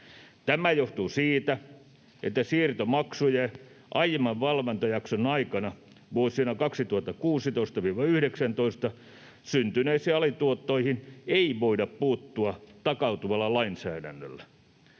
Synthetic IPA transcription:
t̪æmæjoht̪usiːt̪æ | ʔet̪ːæsiːrt̪omɑksuje | ʔɑjmɑʋʋɑlʋɑnt̪ɑjɑksonɑikɑnɑ | ʋuosinɑkɑksit̪uhɑt̪ːɑkuːsit̪oist̪ɑʋiːʋɑyhɾeksænt̪oist̪ɑ | synt̪yneisiːɑlit̪uot̪ːoihineiʋoidɑppuːt̪ːuɑt̪ɑkɑut̪uʋɑlːɑlɑinsæːdæ̰nːø̰lːæ

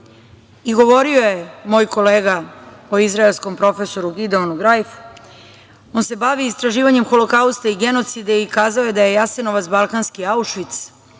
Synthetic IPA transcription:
iɡo̞ʋo̞ɾio̞jemo̞ːjko̞leːɡaoizɾaelsko̞mpɾo̞fe̞so̞ɾuɡʲid̪eonuɡɾajfu̥ | o̞nse̞baʋiːst̪ɾaʒiːʋaɲe̞mxo̞lokaust̪aiɡeno̞t̪sid̪eikaːzaoje̞d̪aje̞jase̞no̞ʋat̪balˠkanskiauʃʋit̪s

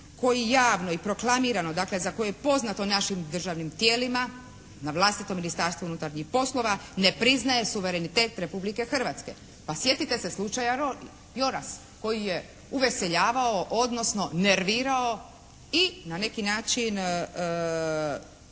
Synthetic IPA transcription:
ko̞jijaːʋno̞ipɾo̞klˠamiɾano̞d̪akle̞zako̞jejepo̞znat̪o̞naʃimd̪rʒaʋnimt̪jeːlima | naʋlˠast̪it̪o̞minist̪aɾst̪ʋounut̪aɾɲixpo̞slˠo̞ʋane̞pɾiznaje̞suʋe̞ɾenit̪e̞ːt̪ɾe̞publike̞xr̩ʋat̪ske̞ | pasje̞t̪it̪eseslut͡ʃajaɾo | jo̞ɾas | ko̞jije | uʋe̞se̞ʎaːʋao̞ʔod̪nosno̞ne̞ɾʋiːɾao̞ | inane̞kinaːt͡ʃin

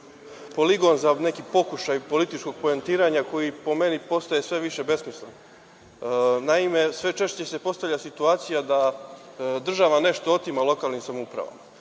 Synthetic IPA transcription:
po̞liɡo̞nzane̞kipo̞kuʃajpo̞lit̪it͡ʃko̞ɡ̚po̞ent̪iːɾaɲako̞jipo̞me̞nipo̞st̪aje̞sʋe̞ʋiʃe̞be̞smislen | naime̞sʋe̞t͡ʃe̞ʃt͡ɕe̞se̞po̞st̪avlʎasit̪uaːt̪sijad̪a | d̪r̩ʒaʋane̞ʃt̪o̞ot̪imalˠo̞kaːlˠnimsamoupɾa̰ʋa̰m

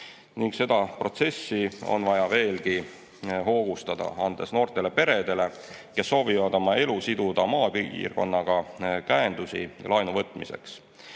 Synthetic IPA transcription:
niŋɡse̞d̪ɑpro̞t̪se̞sːio̰nvɑjɑve̞ːlɡi | ɦo̞ːɡ̥ust̪ɑd̪̥ɑ̰ɑnd̪̥e̞sno̞ːrt̪e̞le̞pe̞ɾe̞d̪̥e̞le̞ | ke̞sːo̞ːvivɑd̪̥o̞mɑe̞lusid̪̥ud̪̥ɑmɑːpḭːrɡ̥o̞̰nːɑɡ̥ɑkæend̪̥usḭlʔɑjnuvɤt̪ːˑmise̞̰ks

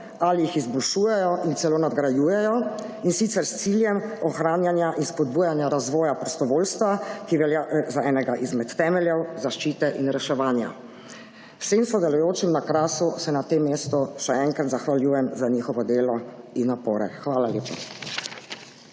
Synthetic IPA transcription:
alijixizbɔlʃuːjɛjɔʔint̪sɛlonad̪ɡɾajuːjɛjɔ | insit̪sɛɾst̪siːljɛmɔxɾaːnjanjaʔinspɔd̪̚buːjanjaɾazʋɔːjapɾɔst̪ɔʋoːlst̪ʋakiʋɛlazaɛːnɛɡaʔizmɛt̪ːɛːmɛljɛwzaʃt͡ʃiːt̪ɛʔinɾɛʃɛʋaːnja̰ | wseːmsɔd̪alɔjoːt͡ʃimnakɾaːsusɛnat̪emːeːst̪ɔʃɛɛŋkɾat̪zaxʋaljuːjɛmzaɲiːxɔʋɔd̪eːlɔinːapoːɾɛ̰xʋaːlaljeːpa̰

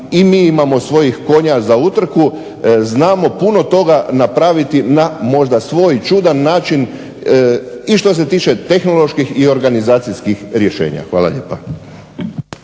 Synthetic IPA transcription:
imiːimamo̞sʋo̞jixko̞ɲazaut̪r̩ku | znaːmo̞puno̞t̪o̞ɡanapɾaʋit̪inamo̞ʒd̪asʋoːjt͡ʃud̪anːaːt͡ʃin | iʃt̪o̞s̬e̞t̪iːt͡ʃe̞t̪e̞xno̞lˠo̞ʃkixio̞ɾɡanizaːt̪siskixɾjeʃe̞̰ːɲa̰xʋaːla̰ʎḛːpa

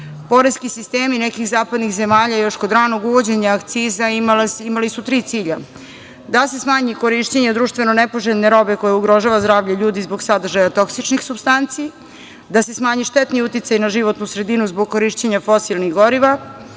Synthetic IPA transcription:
po̞ɾeskisist̪eːminekixzaːpad̪nixze̞maːʎajo̞ʃko̞d̪ɾaːno̞ɡuʋo̞d͡ʑe̞ɲaːkt̪siːzailimalisut̪ɾiːt̪iːʎa | d̪ase̞smaːɲiko̞ɾiʃt͡ɕeɲad̪ɾuʃt̪ve̞nonepo̞ʒet̪neɾo̞be̞ko̞jeuɡɾo̞ʒaːʋazd̪ɾaːʋʎaʎuːd̪izboɡsad̪r̩ʒajat̪o̞ksit͡ʃnixsubst̪ant̪si | d̪ase̞smaːɲiʃt̪et̪niut̪it̪sajnaʒiʋo̞t̪nusɾe̞d̪inuzboɡ̚ko̞ɾiːʃt͡ɕeɲafo̞silniɣɡo̞ɾiʋa

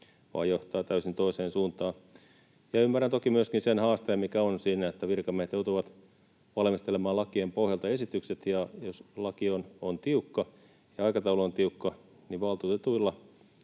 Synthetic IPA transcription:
ʋɑ̰ːjjoht̪ɑːt̪æysint̪oiseːnsuːnt̪ɑː | jɑymːærænt̪okimyøskinsenhɑːst̪eːmmikæonsiːnæet̪ːæʋirkɑmehet̪jout̪uʋɑt̪ | ʋɑlmist̪elemɑːlɑkiempohjɑlt̪ɑesit̪ykset̪jɑjoslɑkionont̪iukːɑ | jɑɑikɑt̪ɑuloont̪iukːɑ | niʋʋɑlt̪uːt̪et̪uilːɑ

